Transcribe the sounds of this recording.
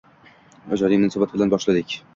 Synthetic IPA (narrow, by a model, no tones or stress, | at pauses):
ɒd͡ʒɒɾimʊnsɑbat̪̚bɪlanbɒʃlad̪ɪkʲ